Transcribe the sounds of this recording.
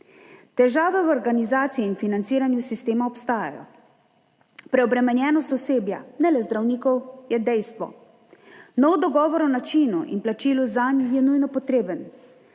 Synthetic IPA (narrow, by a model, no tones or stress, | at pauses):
t̪ɛʒaːʋɛwɔɾɡanizaːt̪siiinfinant̪siːɾanjusist̪eːmaɔpst̪aːja̰jɔ̰ | pɾɛɔbɾɛmɛnjɛːnɔst̪ɔseːbja̰nɛlɛzd̪ɾawniːkɔwjɛd̪ɛjst̪ʋɔ̰ | nɔwd̪ɔɡɔːʋɔɾɔnat͡ʃiːnuʔḭnplat͡ʃiːluzanjɛnujnɔpɔt̪ɾeːbən